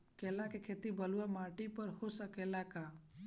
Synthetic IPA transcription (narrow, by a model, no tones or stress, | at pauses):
keːlakekʰet̪ibəluamaːʈipəɾɦosəkelaka